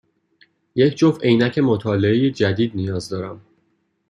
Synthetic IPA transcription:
je̞cʰd͡ʒofejnæcʰe̞mot̪ʰɒːleejed͡ʒæd̪iːd̪̚nijɒːzd̪ɒːɾæm

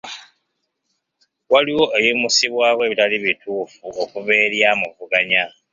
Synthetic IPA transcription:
waliwo̞ʔejimusiβwaːwe̞ːβitaliβituːfuʔo̞kuβe̞ːɾjaːmuvuɡaɲa

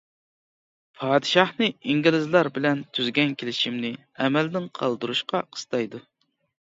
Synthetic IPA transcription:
pʰɑːd̪ɨʃɑhnɨiŋɡʲilɪzlˠɑɾbɪlɛnt̪ʰyzɡʲɛnkʲelɪʃimnɪ | ɛmɛld̪ɪnqʰɑlˠd̪uɾuʃqɑqʰə̥st̪ʰɑjd̪u

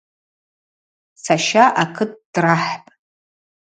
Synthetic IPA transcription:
sʰaʃaʔakʰɨt̚ʰʼd̥raħpʼ

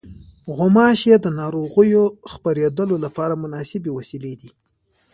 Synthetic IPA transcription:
ɣʊmɑʃed̪ənɑɾoɣəjoxpaɾed̪əlolapɑɾamʊnɑsɪbewasiled̪i

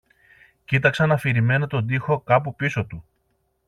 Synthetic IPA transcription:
cit̪ɐksɐnɐfiɾime̞nɐt̪o̞nd̪ixo̞kɐpupiso̞t̪u

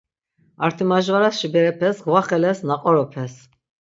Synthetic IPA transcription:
aɾt̪ʰimaʒvaɾasʃibɛɾɛpʰɛsɡwaχɛlɛsnaqʼɔɾɔpʰɛs

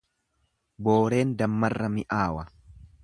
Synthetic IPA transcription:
bo̞ːɾe̞ːnd̪ɐmːɐrːɐmɪʔaːwɐ

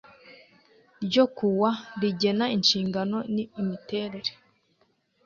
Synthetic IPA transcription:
ɾɟo̞kuwaɾiɟe̞nainʃiːŋɡano̞niːmite̞ːɾe̞ɾe̥

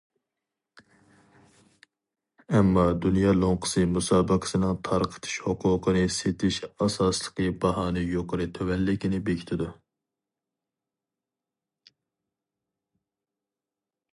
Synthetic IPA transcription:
ɛmːɑd̪unjɑːlˠoŋqʰə̥sɨmusɑːbəqʰə̥sɨnɨŋt̪ʰɑɾqʰə̥t̪ʰɨ̥ʃhʊqʰʊːqʰənɨset̪ʰɪʃɑsɑslˠəqʰɨbɑɦɑːnɨjoqʰəɾɨt̪ʰøwɛlːɪkʲinɪbekʰʲi̥t̪ʰɪd̪u

